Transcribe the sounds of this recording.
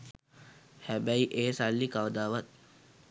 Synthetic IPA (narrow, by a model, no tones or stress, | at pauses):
hæbæiʔeːsalːikaʋd̪aːʋat̪̚